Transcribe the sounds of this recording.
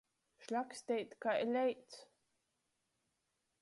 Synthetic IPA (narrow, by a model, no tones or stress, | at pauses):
ʃlʲaksʲt̪ʲɛjt̪kaʔɛlʲɛjt̪s